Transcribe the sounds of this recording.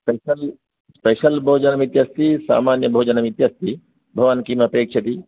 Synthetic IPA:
speɐl | speʃɐlbʱoːd͡ʒɐnɐmit̪jast̪isa̰ːmaːnjɐbʱoːd͡ʒɐnɐmit̪jast̪ʰi | bʱɐʋɐnkimɐpeːkʂʰɐt̪i

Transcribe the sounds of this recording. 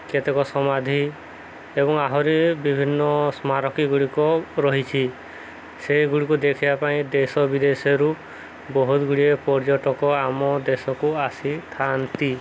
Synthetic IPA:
ket̪ekɔsɔmad̪ʱi | ebɔŋaɦɔɾibibʱinːɔsmaɾɔkiɡuɭikɔɾɔɦit͡ʃʰi | sejɡuɭikud̪ekʰibapaĩd̪esɔbid̪esɔɾu | bɔɦut̪ɡuɭiepɔɾd͡ʒɔʈɔkɔamɔd̪esɔkuasit̪ʰant̪i

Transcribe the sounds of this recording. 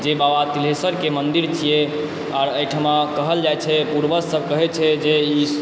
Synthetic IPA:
d͡ʒebabat̪ilɦesəɾkemənd̪iɾt͡ʃʰije | aɾəjʈʰəmakəɦəld͡ʒajt͡ʃʰɛpuɾbəsəb̚ʱkəɦɛt͡ʃʰɛd͡ʒei

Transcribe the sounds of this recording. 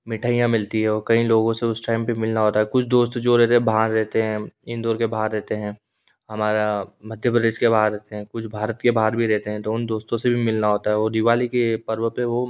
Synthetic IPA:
mɪʈʰaːijãmɪlt̪iɦɛɔːɾkɐĩloːɡõseʊsʈaːɪmpimɪlnaɦoːt̪aɦɛkʊt͡ʃʰd̪oːst̪d͡ʒoɾɛɦt̪eɛ̃bʱaːɾːɛɦt̪eɦɛ̃ɪ̃nd̪oːɾkebʱaːɾːɛɦt̪eɦɛ̃ː | hɐmaːɾamɐd̪ʱjəpɾəd̪eːʃkebaːaɾɛɦt̪eɦɛ̃kʊt͡ʃʰbʱaːɾət̪kebʱaːɾbʱiɾɛɦt̪eɦɛ̃t̪oʊnd̪oːst̪õsebʱimɪlnaɦoːt̪aɦɛɔːɾd̪ɪʋaːlikepɐɾʋəpeʋo

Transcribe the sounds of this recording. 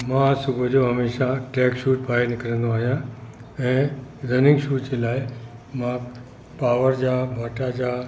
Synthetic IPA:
mãsubəd͡ʒoɦəmeʃãʈekʃuʈ̚bʱajnɪkɾənõaɦjãəẽɾənɪ̃ŋɡʃuʈt͡ʃelaj | mã | paʋəɾd͡ʒabʱaʈad͡ʒa

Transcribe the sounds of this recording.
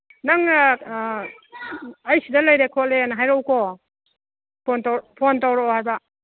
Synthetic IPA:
naŋ | jsidɐlajɾekʰɔlenaɦajɾowkɔ | pʰontawpʰontawɾɔhajba

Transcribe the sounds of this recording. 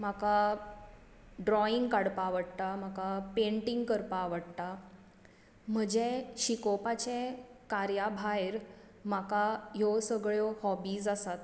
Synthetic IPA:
m̤aka | ɖɾɔiŋɡkaɽpaʋəɽt̪amakapeɳʈiŋɡkəɾpaʋəɽt̪a | m̤əd͡ʑeɕikɔpat͡ɕẽkaɾjabʱajɾ | m̤akajosəɡɭjɔhɔbiːsasat̪

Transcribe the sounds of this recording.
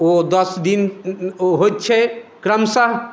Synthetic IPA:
od̪əsd̪in | ɦojt̪ːt͡ʃʰɛkɾəmsəɦ

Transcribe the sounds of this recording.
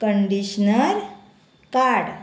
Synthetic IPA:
kəɳɖiɕnəɾ | kaɾɽ

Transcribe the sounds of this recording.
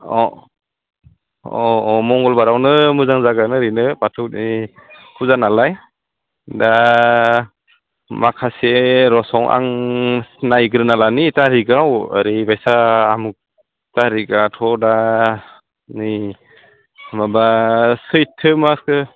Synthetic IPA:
ɔ | ɔːmɔŋɡɔlbaɾawnɯmɯzaŋzaɡanɯɾinɯpatʰɯwt̚nikʰuzanalaj | da | makʰaseɾɔsɔŋʔa̰ŋ | najɡɯɾɯnalanitaɾiɡawa̰ɾibajsaːmuk̚ | taɾiɡatʰɔda | ni | mabasɯjtʰːɯmaskɯ

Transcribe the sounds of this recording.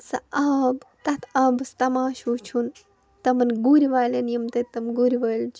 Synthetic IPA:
sɐ̰ɐbt̪ɐt̪ʰɐbɐst̪ɐmaːʃuːt͡ʃʰun | t̪ɐmɐnɡuɾiʋaːlenjɐmt̪ɐt̪ɐmɡuɾiʋɐːlt͡ʃʰ

